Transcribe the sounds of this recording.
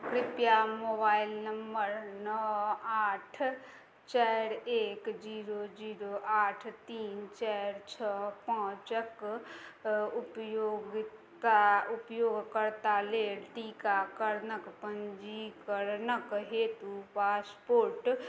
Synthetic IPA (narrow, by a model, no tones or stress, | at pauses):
kɾɪpjamoːbaːilnəmbəɾnəaːʈʰ | t͡ʃaɾeːkd͡ʒiːɾod͡ʒiːɾoaːʈʰt̪iːnt͡ʃaɾt͡ʃʰəpãːt͡ʃək | upjoɡt̪aupjoːɡkəɾt̪aleɽʈikakəɾnəkpənd͡ʒikəɾnəkɦeːt̪upaːspoːɾʈ